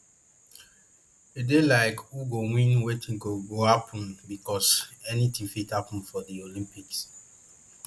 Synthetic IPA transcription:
edelaɪkwuɡowĩnwetʰĩŋ̩koɡohapʰɔ̃n̩bikɔsɛnitĩŋfithapn̩fɔdiolĩmpiks

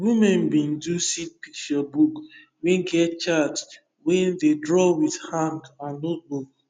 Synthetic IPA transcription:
wimɛ̃nbĩn̩dusit̚pik̚t͡ʃɔbuk | weɡɛt̚t͡ʃat | wendedɾɔwiðhãŋɡãnːot̚buk̚

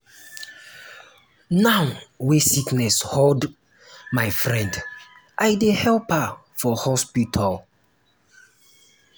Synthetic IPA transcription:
nawwesiknɛshold | majfɹɛ̃nd | ʔajdehɛlpa | fɔhɔspitʰal

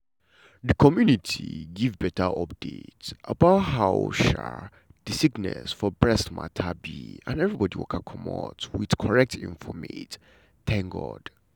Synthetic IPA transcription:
ðəkʰɔmjunitʰḭɡivbɛtʰaʔɔp̚d̥etsʔabaʊtɦaʊʃa | d̥isiɡnɛ̰sfɔbɹɛstmatʰabiãnɛvɹibɔdiwɔ̰kʰakʰɔmɔ̰twid̥kʰɔɹɛk̚tʰḭ̃ɱfɔmet | tʰɛ̃ŋɡɔd̥

